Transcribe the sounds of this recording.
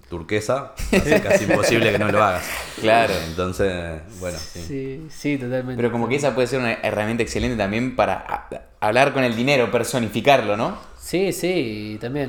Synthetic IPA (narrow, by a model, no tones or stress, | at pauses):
t̪uɾkesaskasimmposiβlekenoloaɣasklaɾoent̪o̞nsesbweno̰siisit̪ot̪almẽpeɾo̞ko̞mo̞keesap̬we̞ðeseɾunaʔeramjẽnt̪aeksele̞nt̪e̞t̪ambje̞mpaɾa̰ | aβlaɾko̞ne̞ld̪ine̞ɾo̞peɾso̞nifikaɾlo̞no̞ | sisit̪ambjen